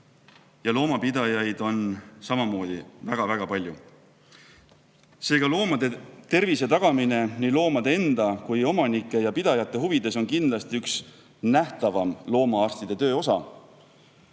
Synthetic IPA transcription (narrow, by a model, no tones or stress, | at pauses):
jɑlo̞ːmɑpid̪ɑjɑjd̪̥o̞nsɑmɑmo̞ːd̪̥ivæɡ̥ɑvæɡ̥ɑpɑlʲju | se̞ːɡ̥ɑlo̞ːmɑd̪e̞t̪e̞rvise̞t̪ɑɡ̥ɑmine̞niːlo̞ːmɑd̪̥ee̞nd̪ɑkujo̞mɑnikːˑe̞jɑpid̪̥ɑjɑt̪ːˑe̞ɦuvid̪̥e̞so̞nkind̪lɑst̪iyks | næht̪ɑvɑmlo̞ːmɑɑrst̪id̪̥e̞t̪ø̞ːo̞sɑ̰